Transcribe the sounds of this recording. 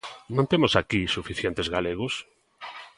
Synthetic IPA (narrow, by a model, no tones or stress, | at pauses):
nõnt̪emʊsakisufiθjent̪ezɣaleɣ̞ʊs